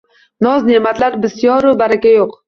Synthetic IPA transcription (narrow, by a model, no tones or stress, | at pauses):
nɒznemat̪laɾbɪsjɒɾʊbaɾakʲajoq